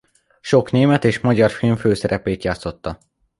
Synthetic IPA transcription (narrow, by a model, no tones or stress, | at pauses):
ʃo̞kneːmɛt̪eːʃmɒɟɒrfilɱføːsɛɾʔɛpeːt̪jaːt̪so̞t̪ːɒ